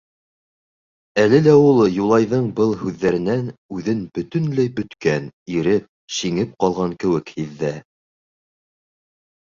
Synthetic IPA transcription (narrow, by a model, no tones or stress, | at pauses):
ælɘlæulˠjulˠɑjðɤɴbɤlˠhʉðːæɾɘ̆nænʉðɘnbɵ̆t̪ɵ̆nlæjbɵ̆t̪kæniɾɘp̚ɕiŋɘp̚qɑlˠʁɑŋkɘ̆wɘkhiðːæ